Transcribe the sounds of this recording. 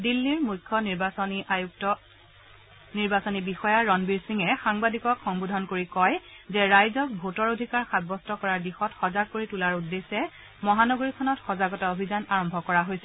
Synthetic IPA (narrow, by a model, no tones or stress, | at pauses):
dilːiɹmujkʰːɔniɹbasɔniajuk̚tɔ | niɹbasonibixɔjaɹɔnbiɹsiŋɛxaŋbadikɔkxɔŋbudʱɔnkoɹikɔjzɛɹajzɔk̚bʱotɔɹodʱikaɹxad̚bɔstɔkɔɹaɹdixɔtxɔzaɡ̚koɹitulaɹudːesɛ | mɔɦanɔɡoɹikʰɔnɔtxɔzaɡɔtaobʱizanaɹɔmbʱɔkɔɹaɦojsɛ